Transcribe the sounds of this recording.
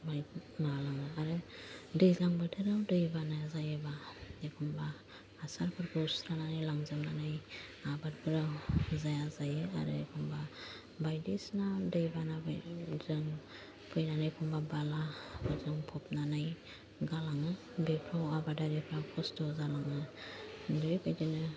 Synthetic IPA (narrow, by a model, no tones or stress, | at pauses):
bajmalaŋɯaɾɯdɯjlaŋbadʰɯɾawdɯjbanazajebaekʰɔmbaː | saɾpʰɯɾkʰɯsɾananajlaŋzɯmnanaj | abat̚bʰɯɾawzajazajɯa̰ɾɯekʰɔmba | bajdisnadɯjbanabzɯŋ | pʰɯjnanajkʰɔmbabalabɯzɯŋpʰɔp̚nanaj | ɡalaŋɯ | bepʰɾɔwabadaɾepʰɾakʰɔstɔzalaŋɯ | dɯɾipʰajdɯnɯ